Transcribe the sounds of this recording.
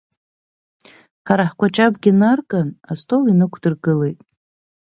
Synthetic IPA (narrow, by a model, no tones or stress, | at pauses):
ħaɾaħkʷʰʼat͡ʃʼabɡʲinarkʼanastʼo̞linɨkʷʰdɨrɡɨle̞jtʼ